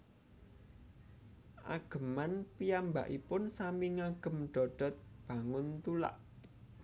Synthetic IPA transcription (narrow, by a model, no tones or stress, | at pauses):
ʔa̰ɡ̥ə̤manpijamba̰ʔipʊnsamiŋaɡ̥ə̤mɖ̥ɔ̤ɖ̥ɔ̤t̪̚b̥ä̤ŋʊnt̪ula̰ʔ